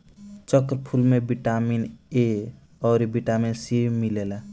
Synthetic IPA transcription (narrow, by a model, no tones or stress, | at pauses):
t͡ʃəkɾpʰulmebiʈamine | ʌʊɾibiʈaminsimilela